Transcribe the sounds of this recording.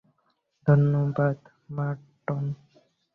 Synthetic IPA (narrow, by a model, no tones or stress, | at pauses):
d̪ʱʌnjobad̪ | ma | ʈːon